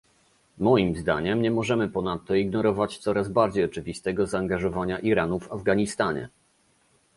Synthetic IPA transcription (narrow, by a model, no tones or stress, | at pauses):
mɔjimzd̪a̰ɲɛmɲɛmɔʐɛmɘpɔnat̪ːɔiɡnɔɾɔvat͡ɕt̪sɔɾazbaɾd͡ʑejɔt͡ʂɘvʲist̪ɛɡɔzaːŋɡaʐɔvaɲaʔiɾanuvavɡaɲist̪aɲɛ̰